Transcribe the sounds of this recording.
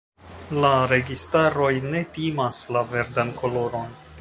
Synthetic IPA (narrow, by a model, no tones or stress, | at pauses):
laɾe̞ɡistaɾo̞jne̞timaslave̞ɾdanko̞lo̞ɾo̞n